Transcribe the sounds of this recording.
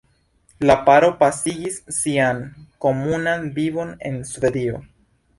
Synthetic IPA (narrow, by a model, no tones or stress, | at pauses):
lapaɾo̞pasiɡisːiaŋko̞munanbiβo̞ne̞̰nsve̞dio̰